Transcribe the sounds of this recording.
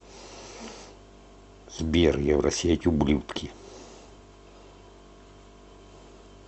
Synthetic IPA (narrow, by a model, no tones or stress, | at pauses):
z̥bʲerjɛʋɾʔɐsʲetʲublʲut̪kʲʰi